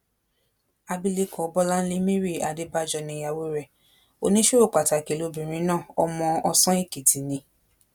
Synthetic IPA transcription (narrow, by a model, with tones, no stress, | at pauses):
a˧bi˧li˦kɔ̃˨ɔ˧bɔ˦la˦n̩˦li˦mĩ˦ɾi˦˨a˨de˦ba˧˦d͡ʒɔ˧˨nĩ˧˨˦ja˧˨wo˦ɾɛ˨ | o̰˧nĩ˦ʃu˦ɾo˦˨k͡pa˨ta˨ke˨lo˨˧˦bĩ˨ɾ̃ĩ˧˦nãː˦˨ɔ˧mɔ̃˧ɔ˧sɔ̃˦i˦˨ke˨tʰi˨˦nĩ˧˦